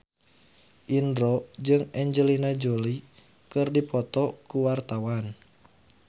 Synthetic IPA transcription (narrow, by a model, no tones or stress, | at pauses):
ʔindɾɔd͡ʒɨŋɛɲd͡ʒəlinad͡ʒoli | kɨrdipɔt̪ɔkuwart̪awan